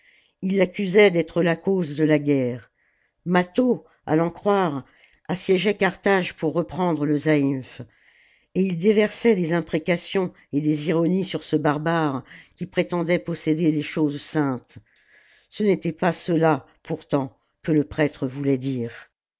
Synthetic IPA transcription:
ilːakʲyzɛd̪ɛt̪χəlakozd̪əlaɡʲɛːʁ | mat̪o | a̰lɑ̃kχwaʁ | asjɛʒɛkaʁt̪aʒpuʁːəpχɑ̃d̪ʁələzaif | eild̪evɛʁsɛd̪ezɛ̃pχekasjɔ̃ | ed̪eziʁɔnisyʁsəbaʁbaʁkʲipχet̪ɑ̃d̪ɛpɔsed̪ed̪eʃozsɛ̃t̪ | sənet̪ɛpasəla | puʁt̪ɑ̃ | kələpχɛt̪χəvulɛd̪iːʁ

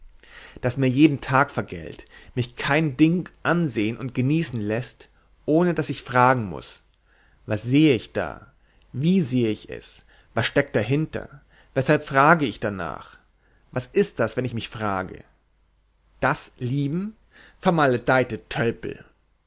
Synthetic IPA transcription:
d̥asmiːɐjeːdn̩tʰaːkfɛɐɡɛ̰ltmɪçkʰaɪndɪŋʔanzeːənʊntɡ̥əniːsn̩lɛst | ʔoːnədasɪçfʁ̥aːɡŋ̩mʊ̰s | vasz̥eːəɪçd̥a̰ː | viːzeːəɪçɛ̰s | vasʃtɛk̚t̚d̥aɦɪntɐ̰ | vɛshalpfʁ̥aːɡəɪçd̥ana̰ːχ | vasɪst̚d̥asvɛnɪçmɪçfʁ̥a̰ːɡə̰ | d̥asliːbm̩ | fɛɐmaləd̥aɪtətʰœlpl̩

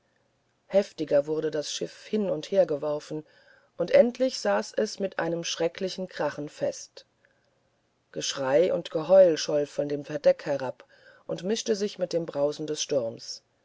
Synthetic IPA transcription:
hɛftɪɡɐvʊɐɾədasʃɪfhɪnʊntheːɐɡəvɔʁfn̩ | ʔʊntʔɛntʰlɪçz̥aːsɛsmɪtʔa̰ɪnəmʃʁ̥ɛklɪçn̩kʁ̥aχn̩fɛst | ɡ̥əʃʁ̥aɪʔʊ̰ntɡ̥əɦɔʏlʃɔlfɔndeːmfɛɐdɛkhɛʁap | ʔʊntmɪʃtəzɪçmɪt̚d̥eːmbʁaʊzn̩dɛsʃtʊɐms

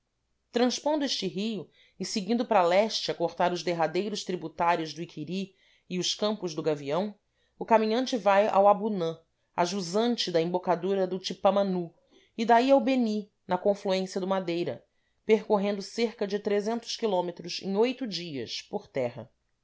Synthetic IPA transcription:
t̪ɾɐ̃ʃpõnd̪ʊeʃt͡ʃɪɦijʊ | ɪsɪɡĩnd̪ʊpɾalɛʃt͡ʃɪɐkoχt̪aɾʊzd̪eɦad̪ejɾʊʃt̪ɾibut̪aɾjʊzd̪ʊikʰiɾi | ɪʊʃkɐ̃mpʊʒd̪ʊɡaviɐ̃w̃ | ʊkamĩɲɐ̃nt͡ʃɪvaja̰wabunɐ̃ | a̰ʒuzɐ̃nt͡ʃɪd̪ɐĩmbokad̪uɾɐd̪ʊt͡ʃipɐmɐ̃nu | ɪd̪aiawbeni | nɐkõfluẽsiɐd̪ʊmad̪ejɾɐ̰ | peɾkoɦẽnd̪ʊseɾkɐd͡ʒɪt̪ɾezẽnt̪ʊ̥ʃkilõmet̪ɾʊzḛ̃j̃ojt̪ʊd͡ʒiɐ̰ʃpoɾt̪ɛɦɐ̰

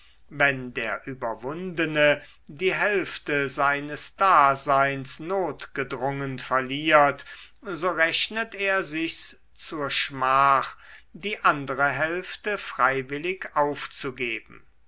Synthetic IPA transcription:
vɛndeːɐʔyːbɐvʊndənə | diːɦɛlftəzaɪnəsd̥aːzaɪnsnoːtɡ̥ədʁʊŋənfɛɐliːɐt | zoːʁɛʃnəteːɐzɪçs | t͡suːɐʃmaːχdiːʔandəʁəɦɛlftəfʁ̥aɪvɪlɪkaʊft͡suɡeːbm̩

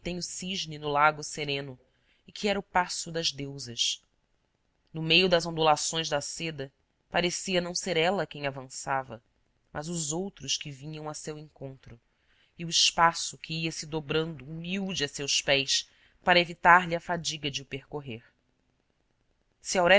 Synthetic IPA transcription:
t̪ẽɲʊsiʒnɪnʊlaɡʊseɾẽnʊ | ɪkʰiɛɾɐʊpasʊd̪ɐʒd̪ewzɐʃ | nʊmejʊd̪ɐzõd̪ulasõj̃ʒd̪ɐsed̪ɐ | paɾesiɐnɐ̃w̃seɾɛlɐkẽj̃avɐ̃savɐ | mʔɐzʊzowt̪ɾʊʃkɪvĩɲɐ̃w̃ɐsewẽŋkõnt̪ɾʊ | iʊɪʃpasʊkʰɪiɐsɪd̪obɾɐ̃nd̪ʊːmiwd͡ʒɪɐsewspɛjs | paɾɐevit̪aɾʎɪɐfad͡ʒiɡɐd͡ʒɪʊpeɾkoɦeɾ | sɪawɾɛ

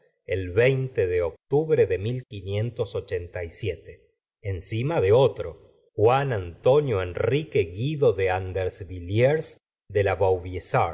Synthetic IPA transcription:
elβejnt̪eðeok̚t̪uβɾeðemilkinje̞nt̪osot͡ʃent̪ajsjet̪e | ensimaðeot̪ɾo̞ | xwanant̪o̞njoenrikeɣiðoðeand̪eɾsβiljeɾs | d̪e̞laβawβjesaɾ

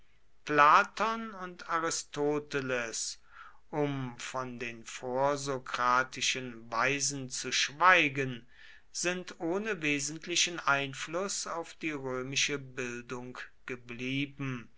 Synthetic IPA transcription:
plaːtʰɔnʊntʰaʁɪstʰoːtəles | ʔʊmfɔndeːnfoːɐzokʁ̥aːtɪʃənvaɪzn̩t͡suʃv̥aɪɡən | z̥ɪntʔoːnəveːzntʰlɪʃənʔaɪnflʊsaʊfd̥iːʁøːmɪʃəbɪldʊŋkɡ̥əbliːbm̩

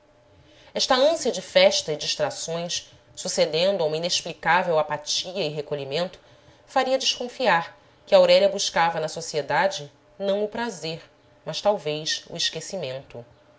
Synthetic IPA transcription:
ɛʃt̪ɐɐ̃siɐd͡ʒɪfɛʃt̪ɐid͡ʒiʃt̪ɾasõj̃s | sused̪ẽnd̪ʊaũmɐineʃplikavewapat͡ʃiɐɪɦekoʎimẽnt̪ʊ̥ | faɾiɐd͡ʒɪʃkõfiaɾ | kɪawɾɛʎɐbuʃkavɐnɐsosied̪ad͡ʒɪ | nɐ̃w̃ʊpɾazeɾ | mɐʃt̪awvejʃṵiʃkesimẽnt̪ʊ

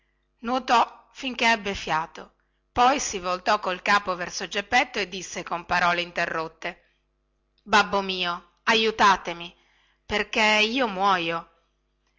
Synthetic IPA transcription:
nwot̪ɔ | fiŋkeɛbːefjaːt̪o | pɔjsivolt̪ɔkːolkaːpovɛrsod͡ʒepːɛt̪ːoed̪ːisːekompaɾɔːleint̪erːot̪ːe | babːomiːo | ajut̪aːt̪emi | perkeiːomwɔːjo

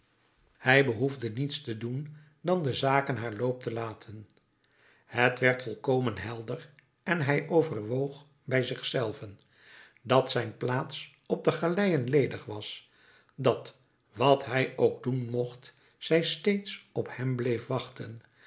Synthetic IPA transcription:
hɛjbəɦuvdənitstədun | dɑndəzaːkənɦaːɹlowp̚təlaːtʰən | hətʋɛɹtfɔlˠkowmənɦɛlˠdər | ɛnɦɛjʔowvərʋowχ | bɛjzɪχsɛlˠvən | dɑtsɛjnplaːts | ɔp̚dəχalɛjənlejdəχʋɑs | dɑt | ʋɑtɦɛjowɡ̚dunmɔχt | sɛjstejtsɔphɛmblejfʋɑχtən

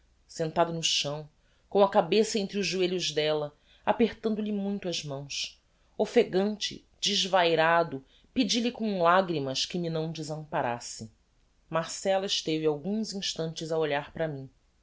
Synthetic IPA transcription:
sẽnt̪ad̪ʊnʊʃɐ̃w̃ | kõw̃ɐkabesɐẽnt̪ɾɪʊʒːueʎʊʒd̪ɛlɐ | apeχt̪ɐ̃nd̪ʊlɪmũj̃t̪ʊɐzmɐ̃w̃s | ofeɡɐ̃nt͡ʃɪ̰ | d͡ʒɪʒvajɾad̪ʊ | pɪd͡ʒilɪkõw̃laɡɾimɐʃkɪminɐ̃w̃d͡ʒɪzɐ̃mpaɾa̰sɪ | maɾsɛlɐɪʃt̪evɪawɡũzĩʃt̪ɐ̃nt͡ʃɪzɐoʎaɾpɾɐmĩ

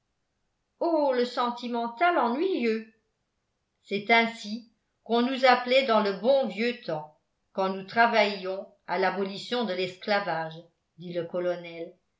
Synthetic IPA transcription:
oləsɑ̃t̪imɑ̃t̪alɑ̃nɥiljø | sɛt̪ɛ̃si | kɔ̃nuzaplɛd̪ɑ̃ləbɔ̃vjøt̪ɑ̃ | kɑ̃nut̪χavajɔ̃ | alabɔlisjɔ̃d̪əlɛsklavaʒ | d̪iləkɔlɔnɛl

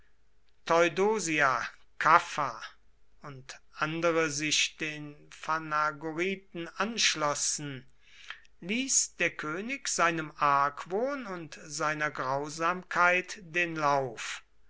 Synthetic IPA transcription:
tʰɔʏdoːziakʰafa | ʊntʔandəʁəzɪʃd̥eːnfanaɡoʁiːt̚n̩ʔanʃlɔsn̩ | liːsd̥eːɐkʰøːnɪkz̥aɪnəmʔaɐkv̥oːnʊntz̥aɪnɐɡʁaʊzaːmkʰaɪtd̥eːnlaʊf

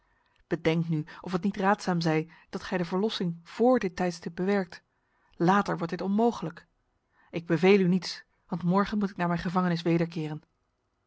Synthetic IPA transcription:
b̥ədɛŋknyʔɔfətnitraːtsaːmzɛjd̥ɑtχɛjdəvəɹlɔsɪŋv̥ʊːɹdɪtːɛjtstɪp̚bəʋɛɹk̚t | laːtəɹʋɔɹtdɪtɔnmowχələk | ɪɡ̚bəvejlynits | ʋɑntmɔɹχənmutɪknaːɹmɛjnχəvɑŋənɪs̬ʋejdəɹkɪːrən

